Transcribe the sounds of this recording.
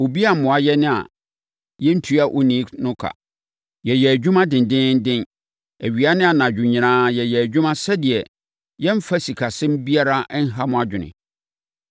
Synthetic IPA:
o˨bi˦a˦˨m̩˨mʊ̃˨a˨jɛ˦nɪ̃˦a̰˨ | jɛ˦n̩˦tʰu˨˦a˨ʔo˦nĩ˨˦nʊ̃˦kʰa̰˨ | jɛ˨jɛ˨æ˨d͡ʑᶣũ˦mã˦dɪ̃˨n˨dɪ̃˦n̩˦dɪ̃˦n | æ˨ɥi˨a˦nɪ̃˦a˨nã˨d͡ʑᶣʊ̃˨ɲĩ˨nãː˦jɛ˨jɛ˨æ˨d͡ʑᶣũ˦mã˦sɛ˦dɪ˨ɛ˨ | jɛ˦m̩˦fa˦si˨kʰa˨sɪ̃˦m̩˦bi˦a˦ɾa˦n̩˦ɦa˦mʊ̃˨a˨d͡ʑᶣɪ˨nɪ̰̃˨

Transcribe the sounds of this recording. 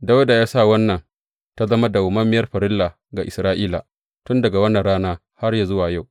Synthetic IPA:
da˦wda˨jaː˦sa˦˨wɐ˦nːɐ˨n | ta˦zɐ˦ma˦da˨wʊ˨mɐ˦mːɪ˦jɐ˦rɸɐ˨ɾɪ˦lːa˨ | ɡa˨ʔɪ˨sɾaː˦ʔiː˦la̰˨ | tʊ˦ndɐ˨ɡa˨wɐ˦nːɐ˨nɽaː˦naː˦ | ha˦rja˨zʊ˦waː˨ja˦˨w

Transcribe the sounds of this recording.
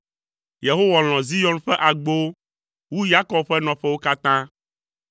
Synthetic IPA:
je˨ɦo˦wa˨l̃ɔ̃˨zi˦jɔ˦nɸɛ˦ʔa˨ɡ͡bo˦ | wu˦ja˦kɔ˦b̚ɸɛ˦nɔ̃˨ɸɛ˦wo˦ka˦t̪ã˦

